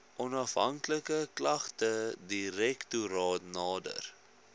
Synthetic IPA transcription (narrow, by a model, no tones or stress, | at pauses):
ʔɔnɐfɦɐŋkləkəklɐχtədiɾɛktuɾɑːtnɑːdə̰r